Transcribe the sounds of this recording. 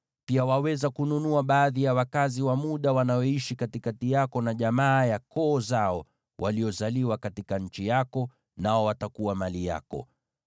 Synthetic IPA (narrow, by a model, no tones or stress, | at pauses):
piawawɛzakununuaɓaːðijawakaziwamuɗawanajɔiʃikatikatijakɔnaʄamaːjakɔːzaɔ | wʔalijɔzaliwakatikaɲ̩t͡ʃijakɔ | naɔwatakuwamalija̰kɔ̰